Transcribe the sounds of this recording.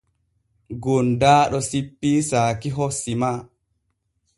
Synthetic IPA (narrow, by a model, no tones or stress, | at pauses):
ɡondaːɗɔsipːiːsaːkiɦosːima